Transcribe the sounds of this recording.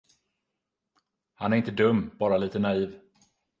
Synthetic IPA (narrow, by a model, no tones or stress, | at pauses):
hanæɾɪnt̪əd̪ɵmːb̥ɑːɾaliːt̪ənaiːv